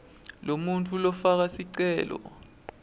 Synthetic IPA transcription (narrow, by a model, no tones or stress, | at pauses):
lomunt͡fʰʼulɔfak̬asiǀɛːlɔ̰